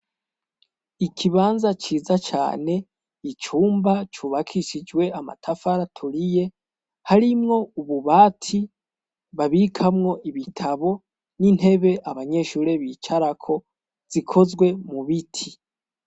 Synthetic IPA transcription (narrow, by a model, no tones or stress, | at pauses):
ikʰiβaːnzat͡ʃiːzat͡ʃa̰ːne̞ | it͡ʃuːmbat͡ʃuːβakʰiʃid͡ʒwe̞ama̰tʰafaɾatʰuɾije̞ | haɾimŋo̞uβuβaːtʰi | βaβikʰamŋo̞ʔiβitʰaβo̞ | nin̥he̞βe̞ʔaβaɲe̞ʃuːɾe̞βiːt͡ʃaɾakʰo̞ | z̥ikʰo̞zɡwe̞muβitʰi